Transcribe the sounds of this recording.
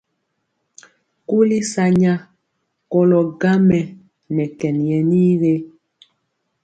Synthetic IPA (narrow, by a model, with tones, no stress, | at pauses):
ku˦li˦sa˨ɲa˦ | kɔ˦lɔ˨ɡa˦mɛ˨ | nɛ˨kɛ˨njɛ˨ni˦ɣe˦